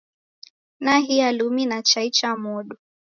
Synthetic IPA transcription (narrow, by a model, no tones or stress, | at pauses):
naɦialuminat͡ʃait͡ʃamɔɗu